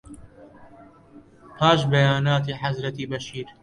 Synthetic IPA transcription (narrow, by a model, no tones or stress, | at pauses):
pʰaːʃbɐjaːnaːt̪̬iːħazɾɐt̪iːbɐʃiːɾ